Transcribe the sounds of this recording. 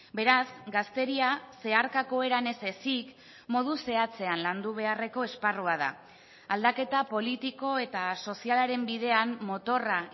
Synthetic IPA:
be̞ɾasɡast̪e̞ɾiase̞aɾkako̞eɾane̞se̞sik | mo̞ð̞use̞at͡se̞anland̪uβ̞e̞are̞ko̞esparuaða̰ | ald̪ake̞t̪apo̞lit̪iko̞e̞t̪aso̞sialaɾe̞mbiðe̞anmo̞t̪o̞ra

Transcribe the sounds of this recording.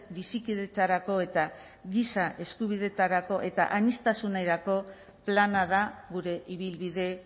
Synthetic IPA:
bisikiðe̞t̪aɾako̞e̞t̪a | ɣisaʔe̞skuβ̞ið̞e̞t̪aɾako̞ʔe̞t̪a̰ʔaɲist̪asunajɾako̞ | planaðaɣuɾe̞ʔiβ̞ilβiðe̞

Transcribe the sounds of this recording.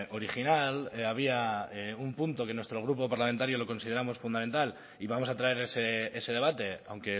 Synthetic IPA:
o̞ɾixinalaβ̞iaeumpunt̪oke̞nwest̪ɾo̞ɣ̞ɾupo̞paɾlament̪aɾjo̞lo̞ko̞nsið̞eɾamo̞sfund̪ament̪al | iβamo̞sat̪ɾae̞ɾesee̞se̞ð̞e̞βat̪e̞awŋke

